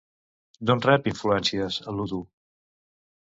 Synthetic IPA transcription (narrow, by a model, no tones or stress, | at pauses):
d̪onrɛpiɱfluɛnsiəzəluðu